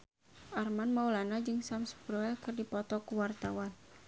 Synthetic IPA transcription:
ʔarmanmaulanad͡ʒɨŋsamsə̥bɾɔɛkɨrdipɔt̪ɔkuwart̪awan

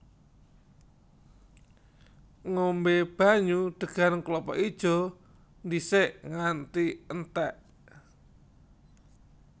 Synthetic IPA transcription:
ŋombeb̥a̤ɲud̪̥ə̤ɡ̥a̤nəŋklɔpɔ̰ʔid̥ʒ̥ɔ̤ | nd̪iseʔŋant̪iənt̪ɛʔ

